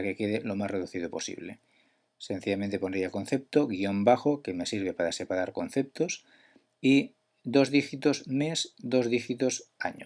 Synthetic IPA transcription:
akeke̞ð̞elo̞masre̞ð̞uθið̞o̞po̞sḭβle̞̰ | se̞n̟θiʝamẽnt̪e̞ponɾejalko̞nθep̚t̪oɣio̞mbaxo̞ke̞me̞siɾβ̞e̞paɾase̞paɾaɾko̞n̟θe̞p̚t̪os | i | d̪o̞zðixit̪ozmesd̪o̞zðixit̪o̞sa̰ɲo

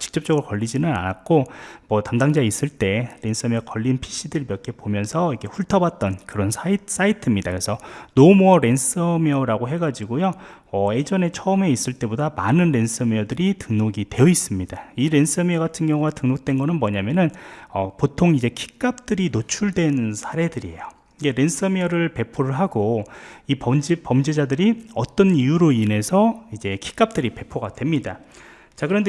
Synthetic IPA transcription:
t͡ɕi̥k̚t͡ɕ͈ʌp̚t͡ɕ͈ʌɡɯɾokʌʎːid͡ʑinɯna̰nak͈omʌtamdaŋd͡ʑais͈ɯɭt͈e̞ɾe̞nsʰʌmjʌkʌʎːinpʰi̥ɕ͈ʰidɯɭbjʌkʰe̞pomjʌnsʰʌiɡe̞ɸuɭtʰʌbat̚t͈ʌnkɯɾʌnsʰais͈aitʰɯmɲidakɯɾesʰʌnomuʌɾe̞ns͈ʌmʌɾaɡoɦe̞ɡad͡ʑiɡojoʌe̞d͡ʑʌne̞t͡ɕʰʌɯme̞is͈ɯɭt͈e̞bodamanɯnɾe̞nsʰʌmeʌdɯɾitɯŋnoɡitwe̞jʌis͈ɯmɲid̥aiɾe̞nsʰʌmiʌɡatʰɯnɡjʌŋuɡatɯŋnok̚t͈we̞nɡʌnɯnmʌɲamjʌnɯnʌpotʰoŋid͡ʑe̞kʰi̥k͈ap̚t͈ɯɾinot͡ɕʰuɭdwe̞nsʰaɾe̞dɯɾiejo | iɡeɾe̞nsʰʌmiʌɾɯɭpe̞pʰoɾɯɭɦaɡoipʌmd͡ʑipʌmd͡ʑed͡ʑadɯɾiʌt͈ʌnijuɾoine̞sʰʌid͡ʑe̞kʰi̥k͈ap̚t͈ɯɾipe̞pʰoɡad̥we̞mɲida | t͡ɕakɯɾʌnde

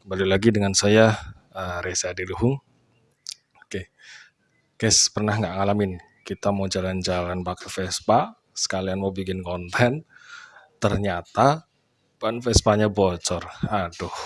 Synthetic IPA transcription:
balilaɡidəŋansaja | əɾesadiluhʊŋ | oke | kɛspərnahŋɡaʔŋalamɪn | kit̪amad͡ʒaland͡ʒalanbakatfɛspa | sə̥kalianmowbikɪnkɔnt̪ʰɛn | t̪ərɲat̪a | b̥anfɛspaɲabɔt͡ʃɔrhadʊh

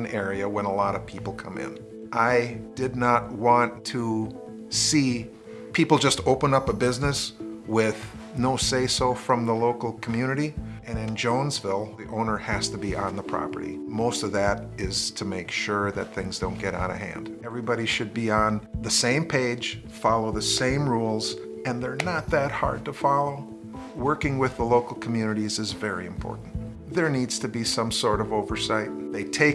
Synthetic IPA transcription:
nɛɹiɨwə̃nəlɑɾʌv̥pʰipl̩ˠkʰʌ̰̃mɪ̰̃n | ʔaɪd̥ɨdⁿnət̚wɑ̃ntʰə | si | pʰipl̩ˠd͡ʒʌstoʊpə̃nʌpəbɪznɨswɪð̥ | noʊseɪsoʊfɹʌ̃mðəloʊkl̩ˠkʰm̩jʉnɨɾiɨ̃nɨ̃nd͡ʒõʊ̃nzvɪlˠðiʔõʊ̃nə˞hæstɨbiʔə̃nðəpʰɹ̥ɑ̰pə̰˞ɾḭmoʊstʌvðɨɾɪz̥tʰɨmeɪkʃʊɹðɨ̰t̪̚θɪ̃ŋzdõʊ̃nɡ̥ɛɾa̰ʊɾɨ̰ɦæ̰̃nd̥ɛvɹibɑɾiʃɨd̚biə̃nðɨsẽɪ̃mpʰeɪd̥ʒ̥ | fɑlˠoʊðɨsẽɪ̃mɹulˠz̥ | ɨ̃nðə˞nət̪̚ðɨt̚hɑ̰ɹd̚təfɑlˠoʊ | wɜ˞kɪ̃ŋwɪðəloʊkl̩ˠkʰm̩jʉnɨɾizɨzvɛɹḭɨ̃mpʰɔ̰ɹʔn̩ | ðə˞nidz̥tʰɨbisʌ̃msɔɹɾʌvoʊvə˞saɪt̪̚ðeɪtʰeɪ

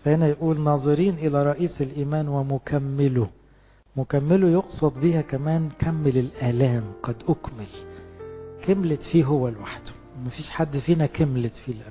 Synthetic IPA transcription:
fæhɪnæjʔuːlnɑːzˤɨɾiːnʔɪlæɾˤɑʔiːsɪlʔiːmæːnwɪmʊkæmːɪlʊ | mʊkæmːɪlʊjoqsˤɑd̪ˤbiːhækæmæːnkʰæmːɪlɪlʔæːlæːmɡɑd̪ʔʊkmɪl | kɪmlɪt̪fiːɦʊwːælwaħd̪̥ | mæfiːʃħad̪ːfiːnækɪmlɪt̪filʔ

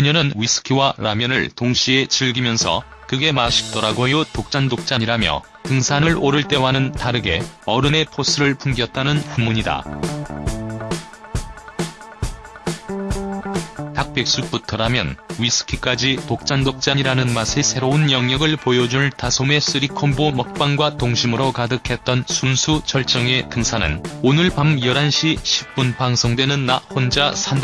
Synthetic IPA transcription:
jɯɲʌnɯnɥisʰɯ̥kʰiwaɾamjʌnɯ̰ɭtoŋɕʰie̞t͡ɕiɭɡimjʌnsʰʌ̰ | kɯɡe̞maɕʰi̥k̚t͈ʌɾaɡojotok̚t͡ɕ͈andok̚t͡ɕ͈aɲiɾamjʌ̰ | tɯŋsʰanɯɭoɾɯɭt͈e̞wanɯntaɾɯɡe̞̰ʌɾɯne̞pʰos͈ʰɯɾɯɭpʰumŋɡjʌt̚t͈anɯnpumːuɲida̰ | tak̚p͈e̞k̚s͈up͈utʰʌɾamjʌ̰nɥisʰɯ̥kʰik͈ad͡ʑitok̚t͡ɕ͈andok̚t͡ɕ͈aɲiɾanɯnmasʰesʰe̞ɾounjʌŋɲʌɡɯɭpojʌd͡ʑunɭtasʰome̞s͈ɯɾikʰonbomʌk̚p͈aŋɡwatoŋɕʰimɯɾokadɯkʰe̞t̚t͈ʌnsʰunsʰut͡ɕʰʌɭt͡ɕ͈ʌŋe̞tɯŋsʰanɯ̰nonɯɭpamjʌɾanɕʰiɕʰi̥p̚p͈unpaŋsʰoŋdwe̞nɯnːahond͡ʑasʰand

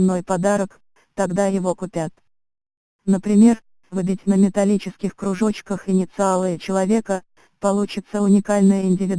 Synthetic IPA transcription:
nːo̞jpɐd̪aɾək | t̪ɐɡd̪ajɪvo̞kʊpʲat̪ | nəpɾʲɪmʲe̞r | vɨbʲɪtʲnəmʲɪt̪ɐlʲit͡ɕɪskʲɪxkɾʊʐo̞t͡ɕkəxɪnʲɪt̪sɨalˠɨjɪt͡ɕɪlˠɐvʲe̞kə | pɐlˠut͡ɕɪt̪səʊnʲɪkalʲnəjəɪnʲdʲɪvʲɪd̪

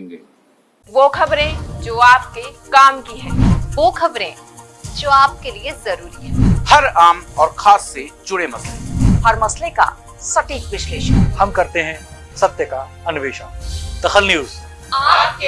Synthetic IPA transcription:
ʋoːkʰɐbɾẽd͡ʒoːaːp̚kekaːmkiɦɛ̃ːʋoːkʰɐbɾẽ | d͡ʒoːaːp̚keliezɐɾuːɾiɦɛ̰̃ːhɐɾaːmɔːɾxʰaːsːed͡ʒʊɽemɐsleɦɐɾmɐsleka̰ | sɐʈiːkʋɪʃleːʃənhɐmkɐɾt̪eɦɛ̃ | sɐt̪jəka | ɐnʊʋeːʃaːd̪̥ɐxəlnjuːz

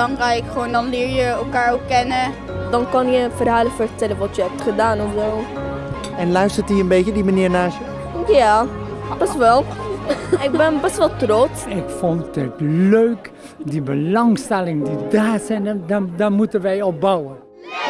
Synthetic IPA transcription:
ɑnkaɪkχʋowndɑnlɪːɹjəɛlˠkaːɹokːɛnə | dɑnkɑnjəfərɦaːləfərtɛlənʋɑtjəɦɛp̚tχədaːnɔfʋɛlˠ | ɛnlœɥstəɹtiːənbeːtədimaniːɹnaːsjə | ja | b̥ɛstʋɛlˠ | ɪkɡ̚bɛnbɛstʋɛlˠtrɔtɪkfɔntdɪtløɥk | dibəlɑŋstɛlɪŋədidaːsɛnadamutənʋɛjɔbɑwən

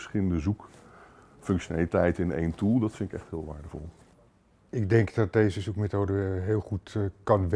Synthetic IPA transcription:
sχɪləndəzuk | fɵŋkʃonalitɛjtɪnḛjntulˠdɑtfɪnɪkɛ̰χtɦɪːlˠʋa̰ːɹdəvɔ̰lˠ | ɪɡ̚dɛŋkdɑt̚dejzəzukmetowdəɦɪːlˠχutkɑnʋ

